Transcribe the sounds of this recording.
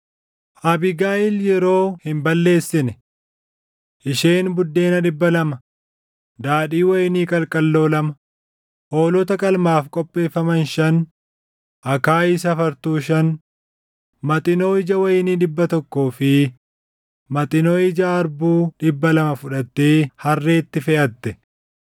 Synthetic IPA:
ʔɐbɪɡaːʔɪljɛɾo̞ːhɪmbɐlːe̞ːsːɪnɛ | ʔɪʃe̞ːnbʊd̪ːe̞ːnɐᶑɪbːɐlɐmɐ | d̪aːᶑiːwɐjɪniːkʼɐlkʼɐlːo̞ːlɐmɐ | ʔoːlɔt̪ɐkʼɐlmaːfkʼɔpʼːe̞ːfːɐmɐnʃɐn | ʔɐkaːɪs̬ɐfɐɾt̪uːʃɐn | mɐt̪ʼɪnoːɪd͡ʒɐwɐjɪniːᶑɪbːɐt̪ɔkːoːfɪ | mɐt̪ʼɪnoːɪd͡ʒaɐɾbuːᶑɪbːɐlɐmɐfʊᶑɐt̪ːeːhɐrːe̞ːt̪ːɪfɛʔɐt̪ːɛ

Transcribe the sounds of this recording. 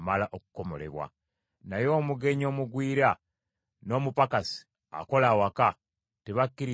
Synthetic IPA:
malaʔokuko̞mo̞̰le̞̰βwa̰ | najo̞ːmuɡe̞ɲo̞ːmuɡwiːɾa | no̞ːmupakasi̥ | a̰ko̞laːwaka | teβakːiɾi

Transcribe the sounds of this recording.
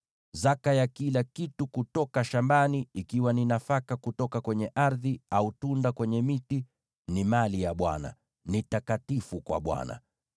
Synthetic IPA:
zakajakilakitukutɔkaʃambaniikiwaninafakakutɔkakwɛɲɛʔaɾðiautundakwɛɲɛmiti | nimalijaɓwa̰na̰ | nitakatifukwa̰ɓwa̰na̰

